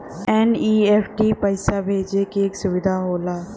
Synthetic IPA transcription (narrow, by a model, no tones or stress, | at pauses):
ɛːniːɛːpʰʈiːpəɪsabʱeːd͡ʒekieːksʊʋɪd̪ʱaɦoːlaː